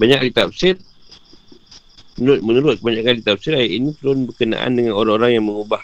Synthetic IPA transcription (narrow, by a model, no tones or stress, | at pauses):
baɲaklit̪ap̚sɪr | mənuɾʊt̪̚mənuɾʊt̪̚kəbaɲakanlit̪ap̚sɪɾajaʔinĩt̪əɾʊnbərkənã̰ʔa̰ndəŋanoɾaoɾaŋjaŋməŋubah